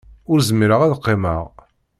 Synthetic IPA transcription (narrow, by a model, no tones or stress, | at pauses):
ʊɾzəmiɾəʁæðqːeməʁ